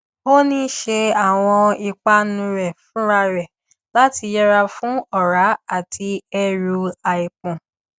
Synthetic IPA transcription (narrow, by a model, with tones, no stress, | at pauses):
o˦nĩ˦ʃe˧a˦˨w̃ɔ̃˧i˧k͡pa˦nũ˧ɾɛ˨fũ˨˦ɾa˧ɾɛ˨ | la˨˦ti˧jɛ˦ɾa˧fũ˦ɔ˦˨ɾa˨˦a˦˨tʰi˧ɛ˦ɾu˧a˧i˨k͡pũ˨